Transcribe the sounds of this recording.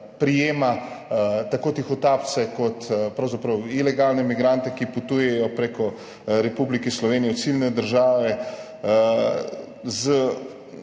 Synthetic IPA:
pɾijeːma | t̪akoːt̪ixɔt̪ap̪̚sɛkɔt̪pɾɐwzapɾɐwilɛɡaːlnɛmiɡɾant̪ɛkiput̪ujɛjɔpɾeːkɔ | ɾɛpublikislɔʋeːnijɛsilnɛd̪əɾʒaːʋɛ | zə

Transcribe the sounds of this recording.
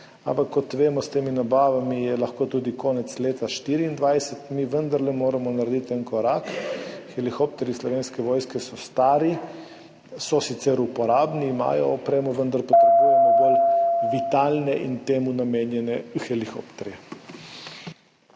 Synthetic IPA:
a̰mpakːɔt̪ʋeːmɔst̪eːminabaːʋamijɛlaxkoːt̪uːd̪ikoːnɛt̪sleːt̪aʃt̪iːɾiːnd̪ʋajsɛt̪miʋənd̪aɾlɛmoːɾamɔnaɾed̪it̪ɛnkɔɾakxɛlixop̚t̪ɛɾislɔʋeːnskɛʋɔjskɛsɔst̪aːɾi | sɔsit̪sɛɾupɔɾaːbniːma̰ːjɔːpɾeːmuʋənd̪aɾpɔt̪ɾɛbujɔɔbəlʋit̪aːlnɛʔḭnt̪eːmunameːnjɛnɛuxɛlixo̰pt̪ɛɾjɛ

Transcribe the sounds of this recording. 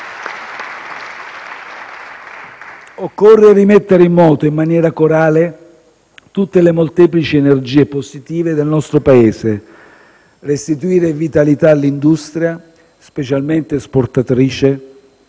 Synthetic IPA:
okːorːerimet̪ːeɾimːɔːt̪oimːanjɛːɾakoɾaːle | t̪ut̪ːelemolt̪ɛːplit͡ʃiɛnerd͡ʒiːeposit̪iːved̪elnɔst̪ɾopaeːse | rest̪it̪uiːɾevit̪alit̪alːind̪ust̪ɾja | spet͡ʃalment̪esport̪at̪ɾiːt͡ʃe

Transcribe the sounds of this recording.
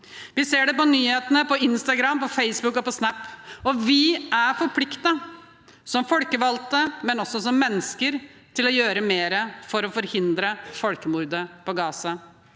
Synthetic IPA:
ʋɪseːɖɛpɔnyːheːt̪ənəpɔɪnst̪ɑɡɾɑmːpɔfeɪsbʉkːɔpɔsnæpːɔʋɪʔæfɔɾpʰlɪkt̪ɑ | sɔmfɔlkəʋɑlt̪əmɛnɔsːɔsɔmːɛnːəskəɾ | t̪ʰɪlɔjøːɾəmeːɾəfɔɾɔfɔɾhɪnd̪ɾəfɔlkəmuɾd̪əpɔɡɑːsɑ

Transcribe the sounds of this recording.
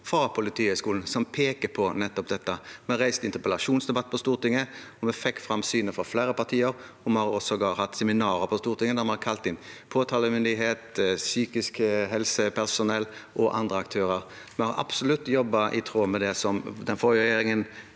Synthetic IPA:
fɾɑpʰʊlɪt̪ʰiːəskuːln̩sɔmpʰeːkəpʰɔnɛt̪ːɔp̚d̪ɛt̪ːəmɛɑɾæɪst̪ɪnt̪əɾpəlɑʂuːnsd̪ɛbɑt̪ːpʰɔst̪uːʁt̪ɪŋːəɔmɛfɛkːfɾɑmsyːnəfɾɑflæːɾəpɑʁt̪ʰiːəɾɔmɛɑɾɔsɔɡɑhɑt̪ːsɛmɪnɑːɾəpʰɔst̪uːɾt̪ɪŋːəd̪ɑmɛhɑɾkʰɑlt̪ɪnpʰoːt̪ʰɑːləmʏnd̪ɪɦeːt̪syːkɪskɦɛlsəpʰæʁsʊnɛlːʔɔʔɑ̰nd̪ʁəɑk̚t̪ʰøːɾəɾ | mɛhɑɾʔɑ̰psʊlʉt̪ːjɔbːɑʔɪt̪ʰɾoːmɛd̪ɛsɔmd̪ɛnfɔɾəʁɛjeːɾɪŋən

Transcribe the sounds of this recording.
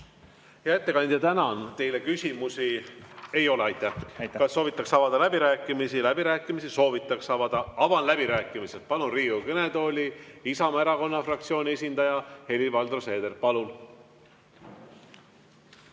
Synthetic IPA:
jɑet̪ːe̞kɑnʲd̪̥ʲjɑt̪ænɑnt̪e̞jle̞kysʲimusie̞jo̞leɑjt̪ːˑæhkɑssːo̞ːvit̪ːˑɑksɑvɑd̪ɑlæbiɾæːkːˑimisilæb̥iɾæːkːˑimisiso̞ːvit̪ːˑɑksɑvɑd̪̥ɑɑvɑnlæb̥iɾæːkːˑimiselt̪̚pɑlunriːukɤne̞d̪o̞ːlʲiisɑmɑeɾɑko̞nːɑfrɑk̚t̪sio̞ːnʲie̞sʲind̪ɑjɑhe̞livɑld̪rose̞ːd̪e̞rpɑlun

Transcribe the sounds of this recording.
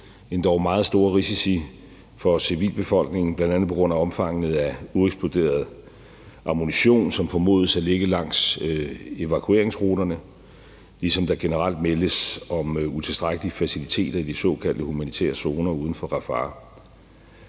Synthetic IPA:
e̝nd̥ɒʊmɑ̈ːð̩ˠsd̥o̝ːɐʁisisi | fɒ̽siʋḭːlb̥e̝fɒ̽l̰ɡ̥ne̝ŋn̩blænd̥ænð̩ˠpʰɒ̽ɡ̥ʁɔ̽n̰æɒ̽mfɑ̈ŋ̰ənð̩ˠæueɡ̥sb̥o̝d̥e̝̰ːɐð̞ˠ | ʔɑ̈moniɕo̝̰ːnsɒ̽mfɒ̽mo̝̰ːð̞ˠəsæle̝ɡ̥əlɑ̈ŋ̰s | e̝ʋækʰue̝ɐeŋsʁo̝ːɾ̥ɐnə | lisɒ̽md̥ɑ̈ɡ̥e̝nəʁal̰d̥meləsɒ̽mut͡sʰe̝lsd̥ʁaɡ̥əliəfæsilit͡sʰe̝̰ːd̥ɐid̥isɒ̰̽kʰæl̰d̥əhumænit͡sʰæ̰ːɐso̝ːnɐuːð̞ˠn̩fɒ̽ʁɑ̈fɑ̰̈ː

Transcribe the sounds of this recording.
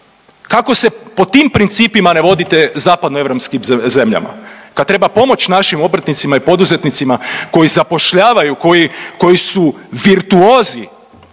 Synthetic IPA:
kako̞se̞po̞t̪iːmpɾint̪siːpimane̞ʋo̞d̪it̪e̞zaːpad̪noe̞ʋɾopskimze̞mʎa̰ma̰kad̪̚t̪ɾe̞bapo̞mo̞t͡ɕnaʃimo̞bɾ̩t̪nit̪simaipo̞d̪uze̞t̪nit̪simako̞jizapo̞ʃʎaːʋajuko̞jiko̞jisuʋiɾt̪uoːzi

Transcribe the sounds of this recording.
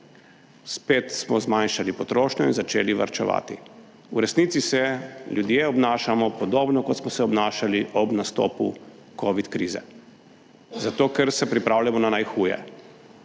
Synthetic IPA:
speːt̪smɔzmanʃalipɔt̪ɾoːʃnɔinzat͡ʃeːliʋa̰ɾt͡ʃɛʋa̰ːt̪ḭ | uɾɛsniːt̪sisɛljud̪jeɔbnaːʃamɔpɔd̪oːbnɔkɔt̪smɔsɛɔbnaːʃaliʔɔbnast̪o̰ːpṵ | koːʋit̪kɾiːzɛ̰ | zat̪oːkɛɾsɛpɾipɾaːwljamɔnanajxuːjɛ̰

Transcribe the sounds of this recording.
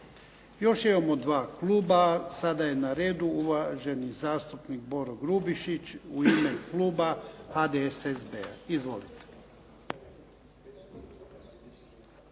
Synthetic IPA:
jo̞ʃimamod̪ʋaːkluːbasad̪aje̞naɾe̞ːd̪uuʋaʒe̞nizaːst̪upniɡ̚bo̞ɾoɡɾubiʃit͡ʃuime̞kluːbahad̪eesezbea̰izʋo̞̰lit̪e̥

